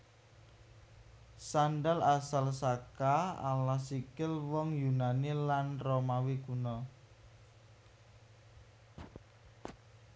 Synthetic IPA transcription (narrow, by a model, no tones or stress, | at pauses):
sanɖalasalsakaa̰lahsikɪlwɔŋjunanilanromawikunɔ